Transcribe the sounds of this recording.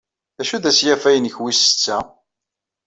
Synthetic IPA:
ðæʃuðæsjæfæjənçwisə̥t͡sːæ

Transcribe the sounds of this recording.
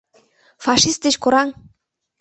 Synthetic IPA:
fɑʃist̪̚d̪et͡ɕkoɾɑŋ

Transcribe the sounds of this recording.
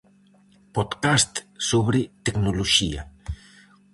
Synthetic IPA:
pot̪kast̪soβɾit̪eknoloʃia̰

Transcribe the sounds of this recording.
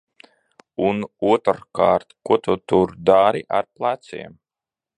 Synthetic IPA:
unuɔt̪kaːɾt̪kuɔt̪ʰut̪uɾd̪aɾiʔaɾplˠat̪sḭɛm

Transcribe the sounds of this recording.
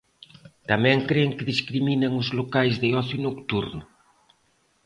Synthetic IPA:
t̪amɛ̃ŋkɾeŋkɪðiskɾiminɐŋʊzlokajzðɪɔθjunokt̪uɾnʊ

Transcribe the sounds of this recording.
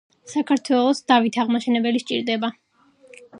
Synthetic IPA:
sakʰaɾt̪ʰwɛlˠɔsd̪̥avit̪ʰaʁmaʃɛnɛbɛliʃt͡ʃʼiɾd̪ɛba

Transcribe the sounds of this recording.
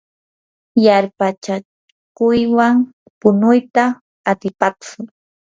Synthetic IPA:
jaɾpat͡ʃa | kʊjwaŋ | pʊnʊjt̪aː | t̪ɪpakʊ

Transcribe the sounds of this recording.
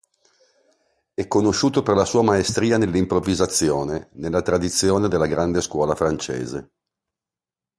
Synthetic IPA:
ɛkːonoʃuːt̪operlasuːamaest̪ɾiːanelːimpɾovizat̪sːjoːnenelːat̪ɾad̪it̪sːjoːned̪elːaɡɾand̪eskwɔːlafɾant͡ʃḛːzḛ

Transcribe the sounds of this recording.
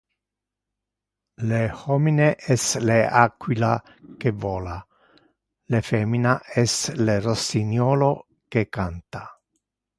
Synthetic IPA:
lehɔmineʔɛsleakːwila | kevɔːla | lefɛːminaɛslerosinjɔːlo | kekant̪a

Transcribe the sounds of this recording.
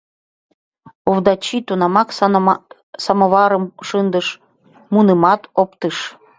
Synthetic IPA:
uvd̪ɑt͡ɕit̪unɑmɑk̪ | sɑməβɑɾəmʃənd̪əʃ | munəmɑt̪opt̪əʃ

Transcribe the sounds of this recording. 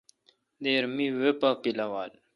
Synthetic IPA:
d̪eːɾmiwepakilɐwaːl

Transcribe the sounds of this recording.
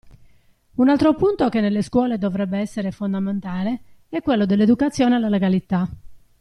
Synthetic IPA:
unalt̪ɾopunt̪okenːelːeskwɔːled̪ovɾɛbːeɛsːeɾefond̪ament̪aːleɛkːwelːod̪elːed̪ukat̪sːjɔːnealːaleɡalit̪a

